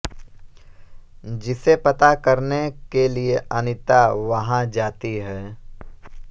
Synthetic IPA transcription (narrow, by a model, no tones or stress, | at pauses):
d͡ʒɪsepɐt̪akɐɾnekelieʔɐnɪt̪aʋɐɦãd͡ʒaːt̪iɦɛː